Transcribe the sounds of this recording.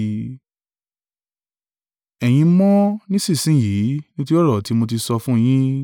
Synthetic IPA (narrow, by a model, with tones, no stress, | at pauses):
ɛ˨j̃ĩ˧mɔ̃˦nĩ˦sĩ˦˨sĩ˦˨ji˨˦nĩ˦tu˦ɾi˦ɔ˦ɾɔ˦˨ti˨˦mo˧ti˧sɔ˧fũ˦˧j̃ĩ˦